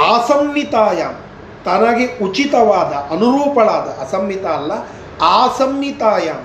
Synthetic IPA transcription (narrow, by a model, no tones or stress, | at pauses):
aːsɐmjit̪aːjaːm | t̪ɐnaːɡiut͡ʃit̪ɐʋaːd̪ɐʔɐnuɾuːpɐɭaːd̪ɐʔɐsɐmːit̪aːlːɐ | aːsɐmjit̪aːjaːm